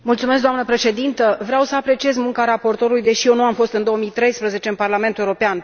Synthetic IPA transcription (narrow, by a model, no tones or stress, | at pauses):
mult̪sume̞sk̚ɡd̪oamnəpɾe̞ʃe̞d̪int̪əvɾeawsəapɾe̞t͡ʃie̞zmuŋkaɾapo̞rt̪o̞ɾulujd̪e̞ʃijenuamfo̞st̪ɨnd̪ooəmijt̪ɾe̞jspɾəze̞t͡ʃe̞ɨnparlame̞nt̪uewɾopean